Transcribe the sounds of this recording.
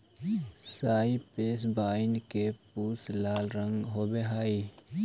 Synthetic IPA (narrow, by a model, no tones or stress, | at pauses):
saːipeːsbaːɪnkepuːslaːlɾə̃ŋɡɦoːbeɦaːi